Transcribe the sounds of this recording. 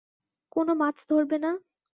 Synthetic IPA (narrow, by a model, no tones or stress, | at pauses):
konomat͡ɕʰd̪ʱoɾbena